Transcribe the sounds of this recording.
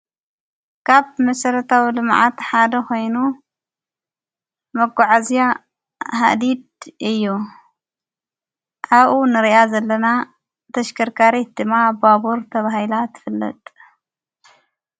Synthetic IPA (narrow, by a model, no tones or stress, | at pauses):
kʰaβmɐsɐɾɐt̪ʰawilɨmʕa̰t̪ħad̪ɐkʰo̞jnu | mɐɡʷaʕazija | ɦa̰d̪id̪̚ʔɨjːu | ʕaβʔunɨɾiʔazɐlːɐna | t̪ʰɐʃkʰɐɾkʰaɾet̪̚d̪ɨmːababuɾt̪ʰɐβahilat̪ʰɨ̥fɨlːɐ̰t̪ʼ